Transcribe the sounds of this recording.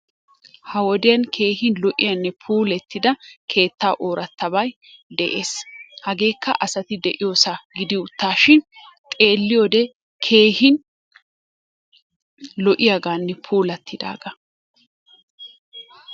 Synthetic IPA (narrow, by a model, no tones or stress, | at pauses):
hɐwɔd̪ɪjɐnkʰe̞ːɦɪnlɔʔɪ̰jɐnːɛpʰuːlɛt̪ːɪd̪ɐkʰe̞ːt̪ːaːʔoːɾʔɐt̪ːɐbɐj | d̪ɛʔe̞ːshɐɡe̞ːkːɐ̰ʔɐsɐt̪ɪd̪ɛʔɪjoːsaɡɪd̪ɪʊt̪ːaːʃɪn | t̪ʼe̞ːlːɪjoːd̪ɛ | kʰe̞ːhɪn | lɔʔɪjaɡaːnːɛpʰuːlɐt̪ʰːɪd̪a̰ːɡɐ